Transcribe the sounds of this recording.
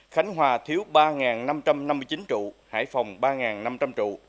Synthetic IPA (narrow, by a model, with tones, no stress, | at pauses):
xa˨˦jŋ̟ɦwaː˨˩t̪ʰi˨˦əwɓaː˧ŋaː˨˩nna˧mt͡ɕa˧mna˧mːɨ˧jt͡ɕi˨˦nt͡ɕṵ˧˨ha̰ː˧˩jfɔ˨˩wŋ͡mɓaː˧ŋaː˨˩nna˧mt͡ɕa˧mt͡ɕṵ˧˨